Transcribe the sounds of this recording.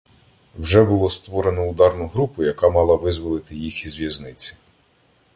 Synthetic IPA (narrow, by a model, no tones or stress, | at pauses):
wʒɛbʊlˠɔst̪ʋɔɾe̞nɔʊd̪ɑrnʊɦɾupʊjɐkɑmɑlˠɐʋɪzʋɔlˠɪt̪ɪjixizʋʲjɐznɪt͡sʲi̥